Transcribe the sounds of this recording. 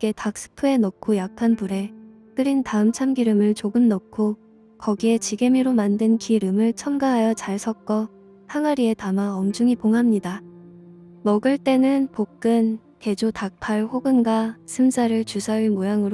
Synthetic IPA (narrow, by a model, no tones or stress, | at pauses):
k͈e̞tak̚s͈ʰɯ̥pʰue̞nokʰojak̚kʰːanpuɾe̞ | k͈ɯɾintaɯmt͡ɕʰamɡiɾɯmɯɭt͡ɕoɡɯmnokʰo | kʌɡie̞t͡ɕiɡe̞miɾomandɯnkiɾɯmɯɭt͡ɕʰʌmɡaɦajʌt͡ɕaɭsʰʌk̚k͈ʌ | haŋaɾie̞tamaʌmd͡ʑuŋipoŋɦamɲida | mʌɡɯɭt͈e̞nɯnpok̚k͈ɯn | ke̞d͡ʑotak̚pʰaɭɸoɡɯnɡasʰɯmsʰaɾɯɭt͡ɕusʰaiɭmojaŋɯɾ